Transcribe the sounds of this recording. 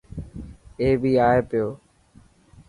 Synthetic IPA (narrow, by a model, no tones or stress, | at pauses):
eːbʱiːaːeːpɪjoː